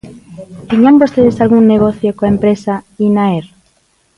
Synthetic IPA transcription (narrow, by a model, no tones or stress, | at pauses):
t̪eɲambost̪eð̞esalɣuŋneɣ̞oθjokoaempɾesainaeɾ